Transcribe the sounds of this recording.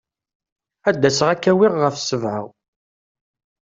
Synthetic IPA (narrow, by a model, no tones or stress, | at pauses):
æd̪ːæsəʁækːæwiʁːəfsəvʕa̰w